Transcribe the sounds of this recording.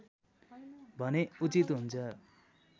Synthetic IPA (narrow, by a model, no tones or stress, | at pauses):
bʱʌneut͡sit̪ɦunt͡sʰʌ